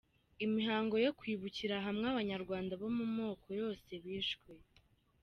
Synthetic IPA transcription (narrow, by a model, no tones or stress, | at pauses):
imiɦaːŋɡo̞jo̞kwiːβuciɾaɦamŋeaβaɲaɾɡwaːndaβo̞mumo̞ːkʰo̞jo̞ːse̞βiːʃkwe